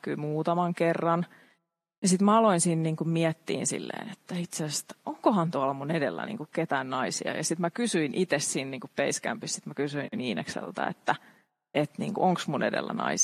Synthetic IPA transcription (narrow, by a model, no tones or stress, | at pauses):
kyimuːt̪ɑmɑŋkerːɑn | jɑsit̪mæɑloinsiːnniːŋkummiɛt̪ːḭːnsḭlːḛːnet̪ːæit̪sese̥t̪ːoŋkohɑnt̪uɑlɑmunedḛlːæ̰nḭːŋkukket̪æːnnɑisiɑ̰jɑsit̪mækysyinʔit̪essiːnniːŋkuppeiskæ̰mpissit̪mækysyiniːnḛksḛlt̪æ̰ḛt̪ːæ | et̪nḭːŋkuʔoŋksmunedḛlːæ̰nɑ̰is